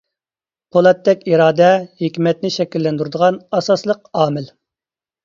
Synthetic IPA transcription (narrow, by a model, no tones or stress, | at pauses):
pʰolˠɛt̪ʰːɛkʲiɾɑːd̪ɛhekʲmɛt̪̚nɪʃɛkʲilːɛnd̪uɾɨd̪əʁɑnɑsɑslˠəq̚ɑːmɪl